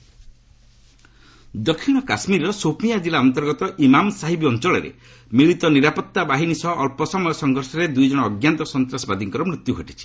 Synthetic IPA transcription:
d̪ɔkʰːiɽ̃ɔkasmiɾɔsopʰijad͡ʒilaɔnt̪ɔɾɡɔt̪ɔʔimamsaɦibiɔnt͡ʃɔɭɔɾḛ | miɭit̪ɔniɾapɔt̪ːabaɦinisɔɦɔʔːlpɔsɔmɔjɔsɔŋɡʱɔɾsɔɾed̪ujd͡ʒɔɽ̃ɔːɡjant̪ɔsɔnt̪ɾasɔbad̪iŋkɔɾɔmɾit̪juɡʱɔʈi̥t͡ʃʰi̥

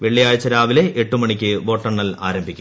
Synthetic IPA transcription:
ʋeɭːijaːjɐt͡ɕːɐɾaːʋile̞ʔeʈːumɐɳikʲːɨʋo̞ːʈːɐɳːɐla̰ːɾɐmbʱikʲː

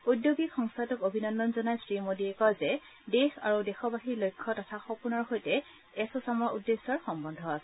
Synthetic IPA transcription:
udjoɡikxɔŋstʰatɔkobʱinɔndɔnzɔnajsɹimodiɛkɔzɛ | dexa̰ɹudɛxɔbaxiɹlojkʰːɔtɔtʰaxɔpunɔɹxojtɛ | ɛsɔsamɔɹudːesɔɹxɔmbɔndʱɔasɛ

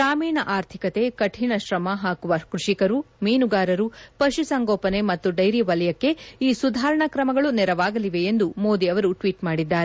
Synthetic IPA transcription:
sɾaːmiːnɐʔaːɾt̪ʰikɐt̪e̞kɐʈʰiɳɐʃɾɐmɐɦaːkuʋɐkɾuʂikɐɾumiːnuɡaːɾɐɾupɐʃusɐŋɡoːpɐne̞mɐt̪ːuɖɐjɾiʋɐlɐjɐkːe̞iːsud̪ʱaːɾɐɳɐkɾɐmɐɡɐɭunɛɾɐʋaːɡɐliʋe̞ːnd̪umoːd̪iɐʋɐɾuʈʋiːʈmaːɽid̪ːaːɾe

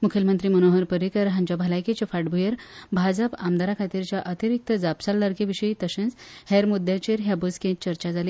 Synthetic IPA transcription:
mukʰjəlmənt̪ɾiːmənoɦəɾpəɾikəɾɦãɲd͡ʑabʱalajket͡ɕefaʈbʱujəɾbʱad͡zəpamd̪aɾakʰat̪iɾt͡ɕjaʔət̪iɾik̚t̪əd͡zapsalːəɾkeʋiɕəit̪əɕẽnt͡shɛɾmud̪jat͡ɕeɾɦjabəd͡zkẽt͡ɕəɾt͡ɕad͡zali

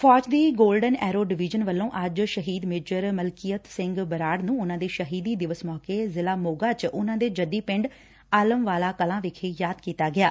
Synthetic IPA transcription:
fʰɔːt͡ʃd̪iːɡoːlɖənɛːɾoːɖɪʋɪːd͡ʒənʋəlːõːʔəd͡ʒʃəɦiːd̪mɪːd͡ʒəɾməlkijət̪sɪ̃ŋɡbəɾaːɽnũːʊnãːd̪eːʃəɦiːd̪iːd̪ɪʋəsmɔːkeːzɪlaːmoːɡaːt͡ʃʊnãːd̪eːd͡ʒəd̪ːiːpɪ̃ɳɖ | aːləmʋaːlaːkəlãːʋɪkʰeːjaːd̪kiːt̪aːɡɪaː

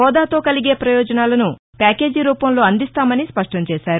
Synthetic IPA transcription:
ɔːd̪aːt̪o̞ːkɐliɡe̞ːpɾɐjɔːd͡ʒɐnaːlɐnu | paːke̞ːd͡ʒiɾuːpɐmlo̞ːɐnd̪ist̪aːmɐnispɐʂʈɐmt͡ʃɛːsaːɾu

